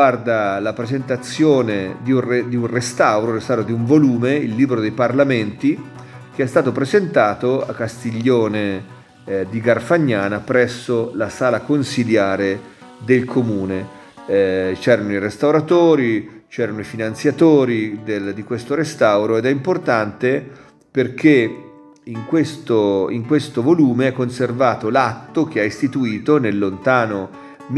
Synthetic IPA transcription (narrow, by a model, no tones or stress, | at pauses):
ard̪alapɾezent̪at̪sːjoːned̪iured̪iunrest̪awɾorest̪awɾod̪iuɱvoluːmeilːiːbɾod̪ejparlament̪i | k̟eɛst̪aːt̪opɾezent̪aːt̪oa̰kːast̪iʎːoːne | d̪iɡarfaɲːaːnapɾɛsːolasaːlakonsiljaːɾe | d̪elkʰomuːne | t͡ʃɛːɾanoirest̪awɾat̪oːɾit͡ʃɛːɾanoifinansjat̪oːɾid̪eld̪ikwest̪oɾest̪awɾoed̪ɛimport̪ant̪e | perk̟e | iŋkwest̪oiŋkwest̪ovoluːmeɛkːonservaːt̪olat̪ːok̟eaist̪it̪uiːt̪onelːont̪aːno | m